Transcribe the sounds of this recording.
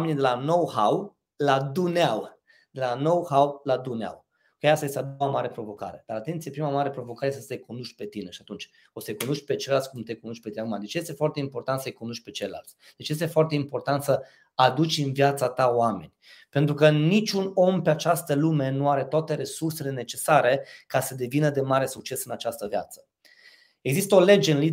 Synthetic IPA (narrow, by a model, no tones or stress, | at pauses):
ame̞nʲid̪e̞lano̞whaw | lad̪uneaw | d̪̥e̞lano̞whawlad̪unea̰w | kaeast̪ajest̪ad̪oamaɾe̞pɾo̞vo̞ka̰ɾe̞d̪aɾat̪e̞nt̪sijepɾimamaɾe̞pɾo̞vo̞kaɾejest̪sejkond̪uʃt̪̚ʲpe̞t̪ine̞ʃiat̪unt͡ʃʲ | osejkonuʃt̪ʲpet͡ʃelalt̪sʲkumt̪e̞konuʃt̪̚ʲpet̪iakumad̪e̞t͡ʃje̞st̪e̞foart̪eimpo̞rt̪ant̪səjkonuʃt̪̚ʲpe̞t͡ʃejla̰lt̪sʲd̪̥e̞t͡ʃje̞s̬t̪e̞foart̪e̞impo̞rt̪ant̪sə | ad̪ut͡ʃʲɨnvjat̪sat̪aoame̞nʲpent̪ɾukənit͡ʃʲuno̞mpeat͡ʃast̪əlume̞nuaɾe̞t̪oat̪e̞ɾe̞surse̞le̞ne̞t͡ʃe̞saɾe̞kasəd̪e̞vinəd̪e̞maɾe̞suk̚t͡ʃe̞sɨnat͡ʃast̪əvja̰t̪sə̥ | e̞ɡzist̪əo̞le̞d͡ʒeɨnli